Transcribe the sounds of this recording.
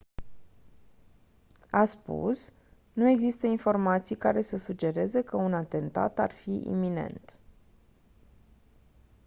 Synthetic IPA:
aspṵs | nue̞ɡzist̪əinfo̞rmat̪sijkaɾe̞səsud͡ʒe̞ɾe̞zekəunat̪e̞nt̪a̰t̪a̰rfiʔḭmine̞̰nt̪

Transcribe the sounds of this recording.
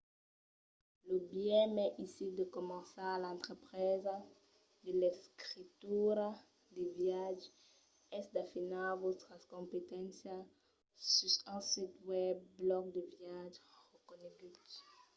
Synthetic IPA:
ləbjɛ̃mɛʔisid̪əkomɑ̃salaɛ̃nt̪ʁepʁɛza | d̪əleskʁit̪yɾa | d̪evjaʒ | ɛsd̪afinavot̪askɔ̃mpet̪ɛ̃nsja | sysãsit̪wɛb̚ːlɔk̚d̪əvjaʒʁəkoneɡyt

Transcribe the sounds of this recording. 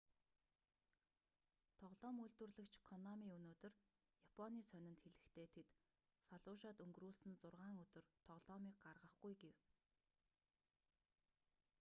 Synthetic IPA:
t̪ʰɔʁɮɔːmujɮt̪wɘ̆rɮɘ̆kt͡ɕʰkʰɔnɔmiːɵnoːt̪ɵ̆r | japʰɔniːsœnʲɪ̆nt̪xeɮɘ̆xt̪ʰeːt̪ʰet̪ | faɮʊːʃaːt̪ɵŋɡruːɮsɘ̆nt͡sʊrʁaːŋɵt̪ɵ̆rt̪ʰɔʁɮ̥ɔːmiːk̚ɢarʁə̆χɡujɡew

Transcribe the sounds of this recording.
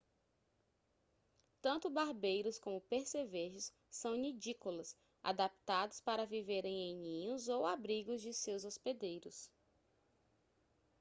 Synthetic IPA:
t̪ɐ̃nt̪ʊbaɾbejɾʊskõmʊpeɾseveʒɪsː | ɐ̃w̃nid͡ʒikʊlɐs | a̰d̪ap̚t̪ad̪ʊspaɾɐviveɾẽj̃ejɲĩɲʊzowabɾiɡʊzd͡ʒɪsewzosped̪ejɾʊs

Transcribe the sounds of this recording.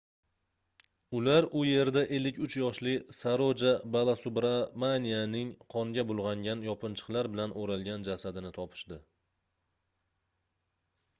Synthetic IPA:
ʊlaɾʊje̞ɾd̪aʔelːɪkʰʲʊt͡ʃʰjɒʃlɪsaɾod͡ʒabalˠasʊbɾamanijanɪŋqʰɒŋɡʲabʊlˠʁɑŋɡʲanjɒpʰɪnt͡ʃʰɨ̥qlˠaɾbɪlanoɾalˠɡʲand͡ʒasad̪ɪnɪt̪ʰɒpʰɪ̥ʃd̪ɪ

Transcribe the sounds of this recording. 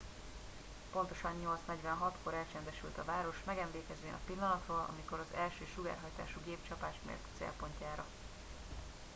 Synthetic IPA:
po̞nt̪o̞ʃɒɲːo̞lt̪snɛɟʋɛnɦɒt̪ko̞ɾɛlt͡ʃɛnd̪ɛʃy̰lt̪ɒvaːɾo̞ʃmɛɡɛmleːkɛzeːnɒ̰pilːɒnɒt̪roːlʔɒ̰miko̞ɾɒzɛlʃøːʃuɡa̰ːrɦɒjt̪a̰ːʃuɡeːpt͡ʃɒpaːʃmḛːrt̪t̪sḛlpo̞ɲcaːɾɒ

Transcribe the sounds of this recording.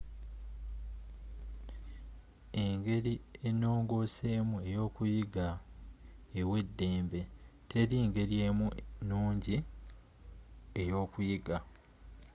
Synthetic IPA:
eŋɡe̞ɾieno̞ːŋɡo̞se̞ːmue̞jo̞ːkujiɡa | ewe̞dːe̞ːmbe̞tʰe̞ɾiŋɡe̞ɾjeːmunuːɲɟi | ejo̞ːkujiɡa

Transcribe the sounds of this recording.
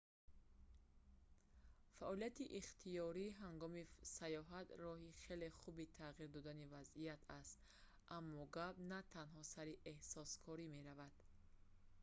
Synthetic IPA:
faʔɔlijat̪iʔiχt̪ʰijɔɾiɦaŋɡɔmisajɔɦat̪rɔɦiχe̞le̞χubit̪ʰaʁiɾd̪ɔd̪anivazijat̪ʰast̪ | ʔamːɔɡabnat̪ʰanɦɔsaɾiʔehsɔskʰɔɾime̞ɾavad̪̥

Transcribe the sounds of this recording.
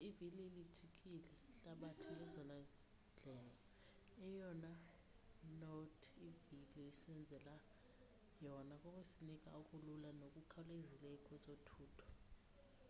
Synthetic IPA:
ivilieli̥t͡ʃʼikʼilɛɬaɓatʰuelizɔna | nd͡ɮʱɛla | ɛjɔna | notʰiviliisɛnd͡zʱɛla | jɔnakʼɔkʼwesinik̬ʼa̰ukʼululanok̬ʼukʰalezilɛkʼwɛsʼotʰuːtʰɔ̥

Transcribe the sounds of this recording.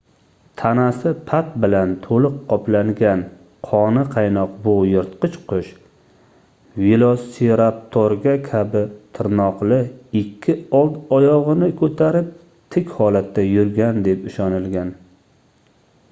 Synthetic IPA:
t̪ʰanasɪpʰat̪̚bɪlant̪ʰolɨqʰːɒplaŋɡʲan | qʰɒnɪqʰɑjnɒqbʊjɨɾt̪qɨt͡ʃqʰʊʃ | vilˠoseɾap̚t̪ʰoɾɡʲakʲʰabɪt̪ʰɪɾnɒqlˠɪɪkʲʰːɪɒlˠt̪ɒjɒʁɨnɪkʰɵt̪ʰaɾɪp̚ | t̪ʰɪkʲhɒlat̪ːajʊɾɡʲand̪e̞pɪʃɒnɪlɡʲan

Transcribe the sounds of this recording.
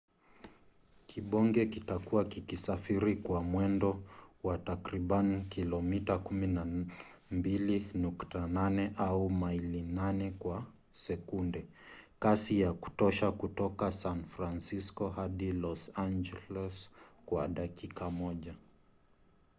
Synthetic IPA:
kʰiɓɔŋɡɛkitakuwakikisafiɾikwamwɛndɔwatakɾiɓanikilɔmitakumina | mbilinuktananɛʔaumailinanɛkwa | sɛkundɛ | kasijaku̥tɔʃakutɔkasanfɾansiskɔhaɗilɔsand͡ʒɛlɛskwaɗakikamɔʄa

